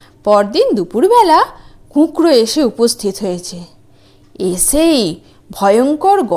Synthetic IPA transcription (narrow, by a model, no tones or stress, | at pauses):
pɔɾd̪ind̪upuɾbɛla | kũkɾoeʃeupost̪ʰit̪ɦojet͡ɕʰe | esej | bʱɔjoŋkoɾɡɔ